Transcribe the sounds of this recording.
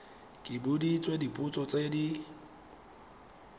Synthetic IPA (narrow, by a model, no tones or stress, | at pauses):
kʼɪbʊdit͡sʼwedipʼʊt͡sʼɔt͡sʼedi